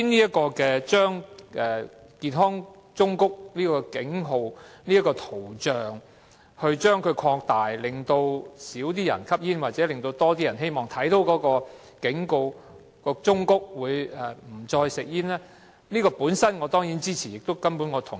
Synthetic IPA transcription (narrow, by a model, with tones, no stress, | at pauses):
i˥niː˥jɐ˥kɔː˧kɛː˧t͡ʃœː˥ŋʔɛː˨ | kiː˨˩nɦɔː˥ŋ | t͡ʃʊ˥ŋkʊ˥k̚liː˥kɔː˧kɪ˨˥ŋɦo˧wniː˥ɐ˥kːɔː˧t̪ʰo˨˩wt͡ʃœː˨ŋ | hɵ˧ɥt͡ʃœː˥ŋkʰɵ˨˧ɥkʰɔː˧k̚t̪aː˨˩jlɪ˨˩ŋt̪o˧wsiː˨˥wt̪̬iː˥jɐ̰˨˩nkʰɐ˥p̚jiː˥nwaː˨t̚t͡sɛː˨˥lɪ˨ŋt̪o˧wt̪ɔː˥t̪̬iː˥jɐ˨˩nɦe˥jmɔː˨˩ŋt̪ʰɐ˨˥jt̪o˨˧˥wkɔː˨˥kɔː˧ | kɪ˨˥ŋko˧w | kɔː˧t͡sʊ˥ŋkʊ˥k̚wuː˨˧jɛ˨˩m̩˨˩t͡ʃɔː˧jsɪ˨k̚jiː˥nlɛː˥ | niː˥kɔː˧puː˨˥nsɐ˥nŋɔː˨˧t̪ɔː˥ŋjiː˨˥nt͡siː˥t͡sʰi˨˩jɪ˨k̚t̪wkɐ˥mpu˨˥nŋɔː˨˧t̪ʰʊ˨˩ŋ